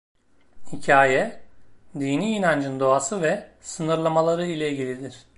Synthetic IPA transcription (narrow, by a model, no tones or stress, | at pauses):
hicʰaːjɛ | d̪iːniːnand͡ʒɯnd̪o̞asɯvɛsɯnɯɾlˠamalˠaɾɯilʲɛilʲɟʲilʲid̪iɾ̥